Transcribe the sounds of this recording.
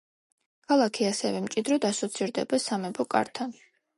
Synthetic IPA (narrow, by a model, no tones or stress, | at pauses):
kʰalˠakʰiasɛvɛmt͡ʃʼid̪ɾɔd̪asɔt̪sʰiɾd̪ɛ̰basamɛbʰɔkʼa̰ɾt̪ʰan